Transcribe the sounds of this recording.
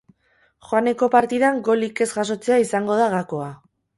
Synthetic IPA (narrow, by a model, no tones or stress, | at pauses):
xoane̞ko̞paɾt̪iðaŋɡo̞like̞zɣas̬o̞t͡seaisaŋɡo̞ð̞aɣako̞a